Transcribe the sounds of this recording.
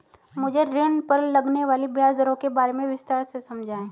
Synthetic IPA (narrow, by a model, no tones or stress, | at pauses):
mʊd͡ʒʱeɾɪɳpɐɾlɐɡneʋaːlibjaːsd̪əɾõkebaːɾemẽʋɪst̪aːɾsesɐmd͡ʒʱaːẽ